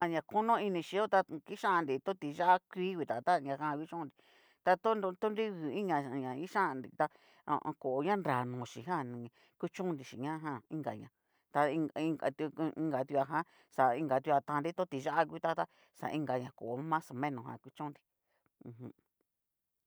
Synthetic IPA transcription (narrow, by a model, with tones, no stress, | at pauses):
a˧ɲã˧˨ko˦nõ˦i˧nĩ˧ʃi˧˦o˦t̪a˧ki˦ʃã˦ʔã˧nd̪i˨t̪õ˦t̪i˧ʒa˦ʔa˦kʷiː˦kwi˧t̪a˨t̪a˦˧ɲã˧ɦã˦˧kʷi˦t͡ʃõ˦˧nd̪i˨ | t̪a˧t̪o˦n˧t̪o˦nɾi˦ɡu˨ĩ˦ɲã˧˨ɲã˨ĩ˦ʃã˦ʔa˧˨nd̪i˧t̪a̰˧ | ko˨ʔo˨ɲã˦nɾa˨nũ˨ʃi˨ɦã˦˨nĩ˨ | kʷi˦t͡ʃũ˦nd̪i˨ʃḭ˨ɲã˦˧˦ɦã˦˨ĩ˦ŋɡa̰˨ɲã˨ | t̪a˧ĩ˧ŋi˧ŋa˧˨t̪ĩ˧ŋɡa˧t̪u˧a˧ɦã˦ | sa˨ĩ˧ŋɡa˨t̪u˧a˧t̪ã˧nɾi˦t̪õ˦t̪i˧ʒa˦ʔa˦k̬ʷi˧˦t̪a˦t̪a˦ | sa̰˨ĩ˧ŋɡa˧ɲã˨ko˨ʔo˨˦mã˦so˨mẽ˦nõ˨ɦã̰˨kʷi˦t͡ʃõ˦˧nd̪i˧ | ũ˧˨hũ˧